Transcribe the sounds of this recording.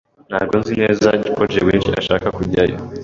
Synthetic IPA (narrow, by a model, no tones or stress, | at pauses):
n̥ha̰ːɡo̞nzine̞ːzzaɟikod͡ʒewiːnʃia̰ʃaːkakuɟajo